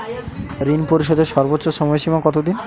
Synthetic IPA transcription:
ɾinpoɾiʃ̬ɔd̪eɾʃɔɾbot̪ːɕoʃɔmɔeʃimakɔt̪od̪in

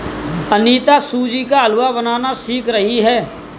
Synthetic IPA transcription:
əniːt̪asuːd͡ʒikaəlʊwabənaːnasiːkɾəɦiɦɛː

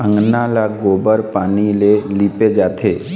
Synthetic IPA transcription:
ə̃ŋɡnalaɡoːbəɾpaːnileliped͡ʒaːt̪ʰeː

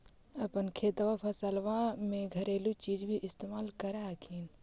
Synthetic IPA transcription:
ɐpənkʰeːt̪ʋapʰɐsəlʋãmẽɡʱɐɾeːlut͡ʃiːd͡ʒbʱiʔɪst̪eːmaːlkɐɾakʰiːn

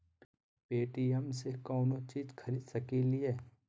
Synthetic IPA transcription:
peːʈiəmsekɔːnot͡ʃiːd͡ʒkʰɐɾiːd̪sɐkilieː

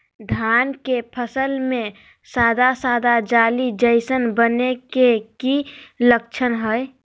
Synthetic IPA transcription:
d̪ʱankepʰəsəlmẽ | sad̪ʱasad̪ad͡ʒalid͡ʒəɪsənbənekekiləkt͡ʃʰənɦəj

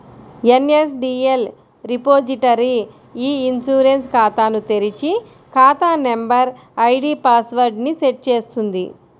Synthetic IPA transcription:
enes̬ɖiːel | ɾipoːd͡ʒiʈɐɾi | iːnsuːɾenskaːt̪aːnut̪eɾit͡ʃi | kaːt̪aːnembɐɾ | ɐjɖipaːsʋɐɾɖniseʈ̚t͡ʃeːst̪und̪i

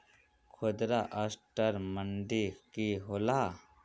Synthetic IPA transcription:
kʰod̪ɾaʔəsʈəɾməɳɖikiɦola

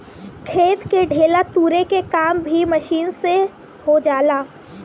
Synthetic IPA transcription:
kʰeːt̪keɖʱeːlat̪uːɾekekaːmbʱiməʃiːnse | hod͡ʒaːlaː

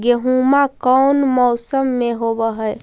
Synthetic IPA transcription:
ɡeɦumakəwnmɔːsəmːeɦobəɦə

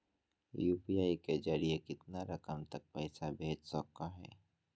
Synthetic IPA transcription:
juːpijaːiked͡ʒɐɾiekɪt̪naɾɐkəmt̪ɐk̚pɛːsabʱeːd͡ʒsɔkːaɦɛ̰ː

